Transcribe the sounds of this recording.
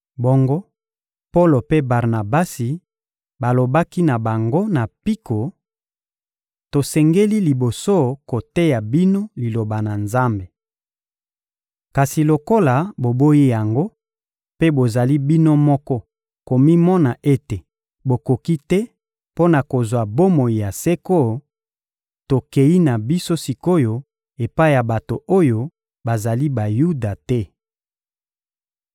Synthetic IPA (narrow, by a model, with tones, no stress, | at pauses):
bɔ˦ŋɡo˦ | po˦lo˨pe˦ba˨ʁna˨ba˦si˨ | ba˨lo˨ba˦ki˦na˨ba˨ŋɡo˦na˨pi˦ko˨ | to˨sɛ˨ŋɡe˦li˦li˨bo˨so˦ko˨te˦ja˨bi˦no˦li˨lo˨ba˨na˨nza˦mbe˨ | ka˨si˨lo˨ko˦la˨bo˨bo˦ji˦ja˨ŋɡo˦ | pe˦bo˨za˨li˦bi˦no˦mɔ˦kɔ˦ | ko˨mi˦mɔ˦na˨ʔe˦te˨ | bo˨ko˨ki˦tɛ˦ | po˦na˨ko˨zwa˨bo˦mo˨i˨ja˨se˦ko˦ | to˨ke˨i˦na˨bi˦so˦si˨ko˦jo˦ | e˨pa˦i˦ja˨ba˨to˨o˦jo˦ | ba˨za˨li˦ba˨ju˦da˨tɛ˦